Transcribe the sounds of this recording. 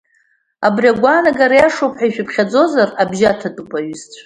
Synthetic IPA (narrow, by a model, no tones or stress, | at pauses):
a̰briaɡʷanaɡaɾajaʂowpʰħaiʃᶣʊpχʲad͡zo̞zarabʒatʰatʼɨpʷʼaɥʏztʷʼʰ